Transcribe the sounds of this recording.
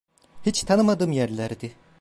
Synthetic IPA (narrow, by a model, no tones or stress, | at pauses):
hit͡ʃt̪ʰanɯmad̪ɯːmjæɾlʲæɾd̪i